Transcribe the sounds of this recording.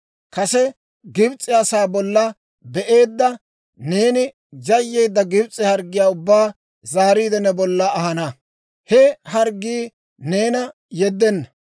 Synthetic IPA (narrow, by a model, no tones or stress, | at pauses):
kɐsɛ | ɡɪbt͡sʼːɪɐsaːbɔlːɐ | bɛʔe̞ːd̪ːɐ | ne̞ːnɪ | d͡ʒɐjːeːd̪ːɐɡɪbt͡sʼːɪhɐɾɡɪjaːʊbːaː | zaːɾiːd̪ɛnɛbɔlːɐːhɐnɐ | hɛhɐɾɡːiː | ne̞ːnɐ | jɛd̪ːɛnːɐ